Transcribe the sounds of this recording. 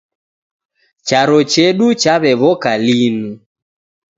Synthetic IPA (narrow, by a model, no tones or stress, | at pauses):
t͡ʃaɾɔt͡ʃɛɗut͡ʃaβɛβɔkalinu